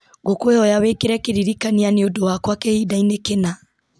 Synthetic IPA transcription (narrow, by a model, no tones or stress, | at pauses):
ɡokweɔjawekeɾɛkeɾiɾikanianeodowakwakehiːdainekena